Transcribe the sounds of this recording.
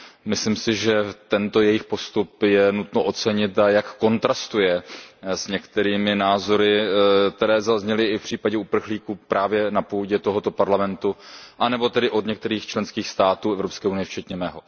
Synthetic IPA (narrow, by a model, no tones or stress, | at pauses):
mɪslimsɪʒɛt̪ɛnt̪o̞jɛjɪxpo̞st̪upjɛnut̪noʔo̞t͡sɛɲɪt̪ajakːo̞nt̪ɾast̪ujɛsɲɛkt̪ɛɾiːmɪnaːzo̞ɾɪkt̪ɛɾɛːzazɲɛlɪɪfpr̥iːpaɟɛupr̩xliːkupɾʔaːvjɛnapuːɟɛt̪o̞ɦo̞t̪o̞paɾlamɛnt̪uʔanɛbo̞t̪ɛdɪʔo̞d̪ɲɛkt̪ɛɾiːxt͡ʃlɛnskiːxst̪aːt̪uːɛvɾopskɛːʔunɪjɛft͡ʃɛt̪ɲɛmɛːɦo̞